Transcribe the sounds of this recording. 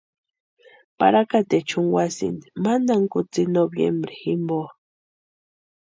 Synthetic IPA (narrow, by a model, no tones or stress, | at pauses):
pa̰ɾakat̪et͡ʃʊŋwasḭnd̪i̥mand̪aŋkʊt͡sinobjḛmbɾiximbo